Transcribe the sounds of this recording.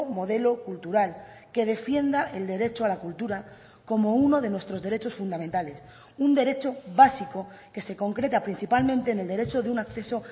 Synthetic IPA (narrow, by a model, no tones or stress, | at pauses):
mo̞ð̞e̞lo̞kult̪uɾal | ke̞ð̞e̞fje̞nd̪aʔe̞ld̪e̞ɾe̞t͡ʃoalakult̪uɾa | ko̞mo̞uno̞ðe̞nwe̞st̪ɾo̞zðe̞ɾe̞t͡ʃo̞sfund̪amẽnt̪ale̞s | und̪e̞ɾe̞t͡ʃo̞βasiko̞ke̞se̞ko̞ŋkɾe̞t̪apɾin̟θipalmẽ̞nt̪e̞ːne̞ld̪e̞ɾe̞t͡ʃo̞ðeunakθe̞so̞